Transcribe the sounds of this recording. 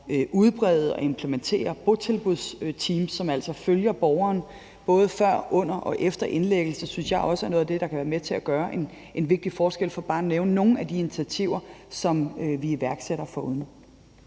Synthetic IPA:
øʔuð̞ˠb̥ʁɛð̩ˠɒ̽e̝mpʰlement͡sʰe̝̰ːɐb̥o̝t͡sʰe̝lb̥uð̞̰ˠst͡sʰiːmsːɒ̽mæl̰sɒføljɐb̥ɒʊɐːn | b̥ɔ̽ːð̞ˠfɶɐ̰ʔɔ̽n̰ɐʔɒ̽ʔefd̥ɐʔe̝nleɡ̥l̩sɐsynsjɑ̈ɪʔɒ̽səæɐno̽ːð̩ˠd̥e̝ɾ̥ɑ̈kʰæʋæːɐmet͡sʰe̝æɡ̥ɶːɐʔen | ʔe̝nʋe̝ɡ̥̚d̥ifɒːsɡ̥el̰fɒ̽b̥ɑ̈ːneʊnəno̝ːn̩æd̥ient͡sʰiæt͡sʰiʊ̰ɐsɒ̽mʋiiʋæɐɡ̥seɾ̥ɐfɒuðˠn

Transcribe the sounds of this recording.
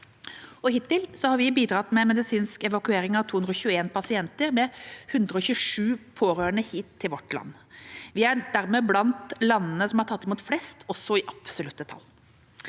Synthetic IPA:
ɔhɪt̪ːɪlsɔhɑɾʋɪbiːd̪ɾɑt̪mɛmɛd̪ɪsiːnskɛʋɑkʉeːɾɪŋɑʋt̪ʰuːʉnd̪ɾɔɕʉːeːnpʰɑsɪɛnt̪əɾmɛhʉnd̪ɾəɔçʉːʂʉːpʰoːɾøːəɳəhiːt̪ʰːɪlʋɔʈːlɑ̰nːʋɪæd̪æɾmɛblɑnt̪lɑnːnəsɔmhɑɾʈʰɑt̪ːɪmuːt̪flɛst̪ʰɔsːɔɪʔɑpsɔlʉt̪d̪ət̪ʰɑ̰l

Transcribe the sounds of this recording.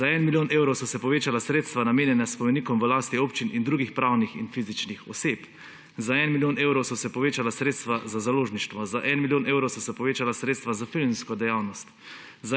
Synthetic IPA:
zaɛnmiljoːneːwɾɔwsɔsɛpɔʋeːt͡ʃalasɾeːt̪st̪ʋanameːnjɛnaspɔmɛniːkɔmʋəlaːst̪iopt͡ʃinʔind̪ɾuːɡixpɾaːwnixḭnfizit͡ʃnixɔseːp | zaɛnmiljoːneːwɾɔwsɔsɛpɔʋeːt͡ʃalasɾeːt̪st̪ʋazazaloːʒniʃt̪ʋɔzaʔɛnmiljoːneːwɾɔwsɔsɛpɔʋeːt͡ʃalasɾeːt̪st̪ʋazafilnskɔd̪ɛjaːwnɔst̪ | za

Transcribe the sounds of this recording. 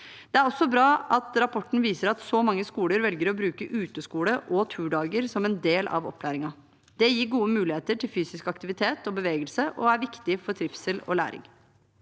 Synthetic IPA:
d̪̥ɛæɾɔsːɔbɾɑːʔɑt̪ɾɑpʰɔʈːn̩ʋiːsəɾɑt̪sɔmɑŋːəskuːləɾʋɛlɡəɾɔbɾʉːkəʔʉːt̪əskuːləʔɔt̪ʰʉːɖɑːɡəɾsɔmɛnd̪eːlʔɑ̰ʋɔ̰pʰːlæːɾɪŋɑ | d̪̥ɛjiːɾɡuːəmʉːlɪheːt̪əʈʰɪlfyːsɪskɑkt̪ɪʋɪt̪ʰeːt̪ɔbəʋeːɡəlsəʔɔæɾʋɪkt̪ɪfɔʈ̪ʰɾɪfsəlɔ̰læ̰ːɾɪ̰ŋ

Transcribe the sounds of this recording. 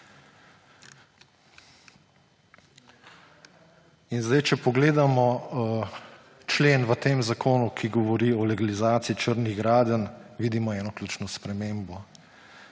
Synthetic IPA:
inzd̪ajt͡ʃɛpɔɡleːd̪amɔ | t͡ʃleːnʋət̪eːmzakoːnukʰiɡɔʋɔɾiɔlɛɡalizaːt̪siit͡ʃəɾniɣɡɾaːd̪ənʋiːd̪imɔɛːnɔklʲuːt͡ʃnɔspɾɛmeːmbɔ

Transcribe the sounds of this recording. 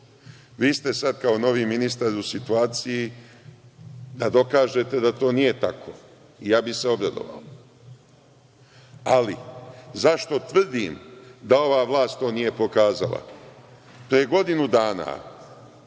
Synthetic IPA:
ʋiːst̪e̞sad̪kaono̞ʋiːminist̪aɾusit̪uaːt̪siji | d̪ad̪o̞kaːʒe̞t̪e̞d̪at̪o̞ːnije̞t̪akʰo̞ | ijaːbise̞o̞bɾad̪o̞̰ʋa̰o | alizaʃt̪o̞t̪ʋr̩d̪imd̪ao̞ʋaːʋlˠaːst̪t̪o̞ːnije̞po̞kaːza̰la̰ | pɾijeɡo̞d̪inud̪aːna̰

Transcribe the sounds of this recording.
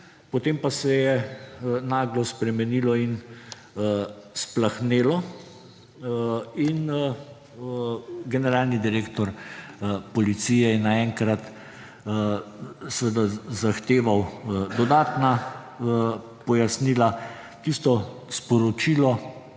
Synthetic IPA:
pot̪eːmpasɛjɛ | naːɡlɔspɾɛmɛnilɔin | splaxneːlɔ | in | ɡɛnɛɾaːlnid̪iɾeːkt̪ɔɾ | pɔlit̪siːjɛjɛnaɛŋkɾat̪ | sʋəd̪azaxt̪eːʋawd̪ɔd̪aːt̪na | pɔjasnila | t̪ist̪ɔ | spɔɾɔt͡ʃiːlɔ

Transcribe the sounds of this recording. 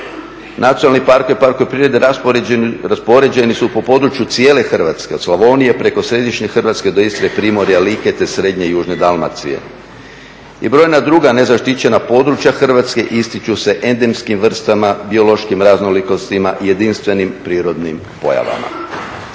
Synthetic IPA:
nat̪ijonalnipaɾkoʋipaɾkoepɾiːɾe̞d̪eɾa | ɾaspo̞ɾe̞d͡ʑe̞nisupo̞po̞d̪ɾut͡ʃjut̪sje̞ːle̞xr̩ʋat̪ske̞ot̪slaʋo̞nije̞pɾe̞ko̞sɾe̞d̪iʃɲexərʋat̪ske̞d̪o̞ist̪ɾepɾimo̞ɾialiːke̞t̪e̞sɾe̞d̪ɲe̞juːʒne̞d̪alma̰t̪sḭḛ | ibɾo̞jnad̪ɾuːɡane̞zaʃt̪it͡ɕe̞napo̞d̪ɾut͡ɕjaxr̩ʋat̪ske̞ʔist̪it͡ʃuse̞ʔe̞nd̪e̞mskimʋr̩st̪amabio̞lo̞ʃkimɾaznoliko̞st̪imaʔije̞d̪inst̪ʋe̞nimpɾiːɾo̞d̪nim | po̞̰ja̰ʋa̰ma̰

